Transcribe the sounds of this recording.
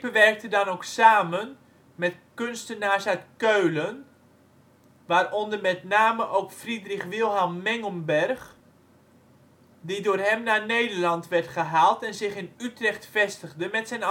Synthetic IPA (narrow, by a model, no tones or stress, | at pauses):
bəʋɛrk̚tədɑnoksaːmən | mɛtkønstənaːɹsœɥtkøɥlən | ʋaːrɔndərmɛtnaːməʔowkfridrɪχʋɪlˠɦɑmːɛŋəmbɛrχ | didʊːrɦɛmnaːnejdəɹlɑntʋɛrtχəɦaːlˠtɛnzɪχɪnytrɛχtfɛstəɣdəmɛtsɛjn